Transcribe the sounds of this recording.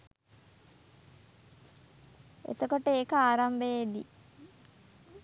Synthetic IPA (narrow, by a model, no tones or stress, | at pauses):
ḛt̪okoʈəeːkəaːɾambəjed̪ḭ